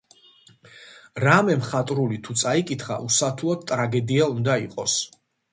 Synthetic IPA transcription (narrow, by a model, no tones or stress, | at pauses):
ɾamɛmχat̪ʼɾulit̪ʰut̪sʼaikʼit̪ʰχa̰ʔusat̪ʰuɔt̪t̪ʼɾaɡɛd̪iaund̪aiqʼɔs